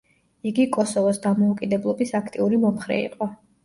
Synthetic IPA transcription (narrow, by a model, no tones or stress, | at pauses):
iɡikʼɔsɔvɔsd̪amɔukʼid̪ɛblˠɔbisakʰt̪ʼiuɾimɔmχɾɛ̰ḭqʼɔ